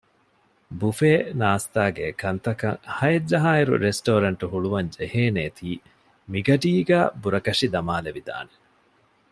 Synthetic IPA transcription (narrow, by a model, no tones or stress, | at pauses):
bufeːnaːst̪aːɡḛkɐnt̪ɐkɐŋhɐed͡ʒːɐɦaːiɾṵɾesʈoːɾɐɳʈuɦuɭuʋɐɲd͡ʒeheːneːt̪ʰiː | miɡɐɖiːɡæːbuɾɐkɐʂid̪ɐmaːleʋid̪a̰ːne